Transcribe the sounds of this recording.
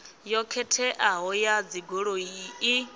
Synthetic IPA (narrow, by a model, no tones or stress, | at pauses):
jɔkʰɛtʰɛʔaɦɔjad͡ziɡoɺoii